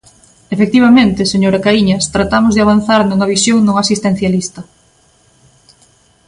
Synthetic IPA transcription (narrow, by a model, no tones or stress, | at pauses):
efek̚t̪iβ̞amẽnt̪eɪseɲoɾakaiɲɐst̪ɾat̪amʊzðɪaβ̞an̟θaɾnuŋɐβisjoŋnõŋasist̪en̟θjalist̪ɐ